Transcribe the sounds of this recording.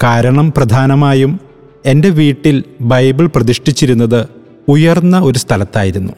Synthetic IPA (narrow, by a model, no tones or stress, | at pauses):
kaːɾɐɳɐmprɐd̪ʱaːnɐmaːjum | e̞nde̞ʋiːʈːilbɐjbiɭprɐðiʂʈit͡ɕːiɾunːɐðɨ | ujɐrnːɐo̞ɾust̪ʰɐlɐt̪ːaːjiɾunːṵ